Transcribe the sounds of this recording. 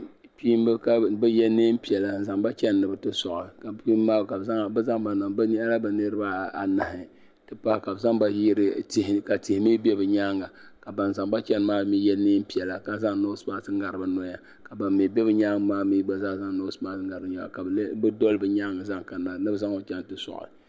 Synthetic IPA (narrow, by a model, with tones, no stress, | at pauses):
piː˦m˦bɨ˦ka˦bɨ˦jɛ˦ni˦m˦pi˨ɛ˨la˨n̩˨za˨ŋba˦t͡ʃɛ˦nː˨ɨ˨bɨ˨tɨ˦sɔ˨ʔɨ˨ka˨pi˦mː˦aː˦bka˨bza˦ŋ˨bza˦ŋba˨na˨ba˦ni˦ʔa˦la˦bɨ˨nɨ˦ɾɨ˦ba˦a̰˨na˨hɪ˨ | tɨ˦pa˦hɪ˦ka˨bɨ˨za˦ŋba˦jɾthka˨ti˨hɪ˨mi˦bɛ˦bɨ˨ɲa˦ŋa˨ka˨ba˨n˨za˨ŋba˦t͡ʃɛ˦n˨maː˦mi˦jɛ˦niː˦m˦pi˨ɛ˨la˨ka˨za˦ŋ˦no˦smaː˦sɨ˦ŋ˦ɡa˨ɾɨ˨ba˦nɔ˦ja˦ | ka˨ba˨mːi˨bɛ˦bɨ˦ɲaː˦ŋ˦maː˦mi˦ɡ͡ba˨za˦˨za˦ŋ˨no˦saː˦sɨ˦ŋɡa˨ɾɨ˨bɲɔ˨˦ja̰˨ka˨˦bɨ˦dɔ˦lbɨ˨ɲaː˦ŋa˨za˦ŋka˨na˨nɨ˦bɨ˦za˦ŋa˦t͡ʃɛ˦n˨tɨ˦sɔ̰˨ʔʊ̰˨